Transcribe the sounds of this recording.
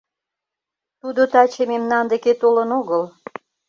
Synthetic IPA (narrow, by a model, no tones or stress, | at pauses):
t̪ud̪ot̪ɑt͡ɕememnɑnd̪eket̪olənoɣəl